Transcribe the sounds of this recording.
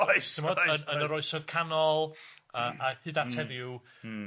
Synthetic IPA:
tʰɪmɔdənənəɾɔɨsɔð̥kʰanɔlˠəːʔahɨdatʰɛðɪ

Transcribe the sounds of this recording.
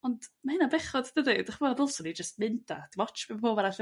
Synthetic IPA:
ɔnd̥mahɪnabɛχɔdd̥ədid̥aχvɔdɔlˠsɔnid͡ʒəst̚mɪnda̰d̥imɔt͡ʃb̥ipʰoːbaɾaɬə

